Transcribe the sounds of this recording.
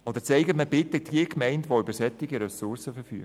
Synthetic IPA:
od̪əɾt͡sɛɪɡətməbɪt̪əd̥iəkmɛɪndʋoybəɾsɛt̪ːɪɡəɾɛsʊɾsəfəɾfy̰ːɡ

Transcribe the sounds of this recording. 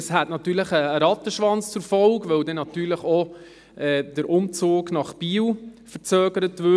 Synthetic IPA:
əshætnɑtːyːɾləχəːɾɑt̪əʃʋɑnt͡st͡sʊɾfɔlkʋœwdɛnɑtyːɾləχɔ | ɛːd̥əɾʔʊmt͡soːɡnɑχb̥iːwfəɾt͡søːɡəɾətʋʏ

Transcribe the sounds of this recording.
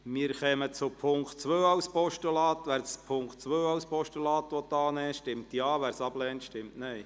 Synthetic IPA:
mɪːəɾχɛmət͡sʊpʰʊŋktt͡sʋøːɑwspʰɔʃtulɑːt̪ʋæɾspʰʊŋkχtt͡sʋøːɑwspɔʃtulɑːt̪ʋɔt̪ɑːnɛːʃtɪmt̪jɑːʋæːɾsɑblɛːntʃtɪmtnɛj

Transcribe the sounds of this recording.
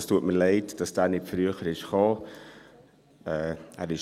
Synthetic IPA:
stuətməlɛɪtd̥ɑsd̥æːɾnɪtfɾyəχəɾɪʃχɑː | ɛːæːɾɪʃ

